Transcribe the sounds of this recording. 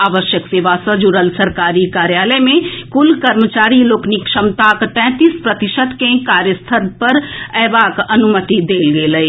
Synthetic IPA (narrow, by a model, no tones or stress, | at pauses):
aːʋəʃjəkseːʋaːsəd͡ʒuɾəlsɐɾkaːɾikaːɾjaːləmẽkʊlkɐɾmət͡ʃaːɾiloːknikʃəmt̪aːkʈ̪ɛ̃ːt̪ispɾɐt̪ɪʃəd̪kẽkaːɾjəst̪ʰət̪pɐɾɛːʋaːkɐnʊmət̪id̪eːlɡeːləi